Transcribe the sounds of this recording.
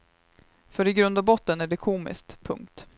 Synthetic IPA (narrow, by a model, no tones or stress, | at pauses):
fœɾɪɡɾɵnd̪abɔt̪ːənæɖɛkʰuːmɪ̰skt̪pʰɵ̰ŋkt̪